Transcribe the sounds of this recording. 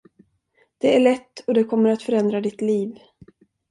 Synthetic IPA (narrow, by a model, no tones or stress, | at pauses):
d̪̥ɛæɭɛt̪ːɔd̪ɛkʰɔmːəɾat̪fœɾɛnd̪ɾad̪ɪt̪liːv